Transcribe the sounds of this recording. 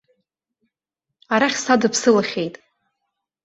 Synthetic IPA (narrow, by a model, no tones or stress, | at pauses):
aɾaχʲsadɨpʰsɨlaχʲe̞jtʼ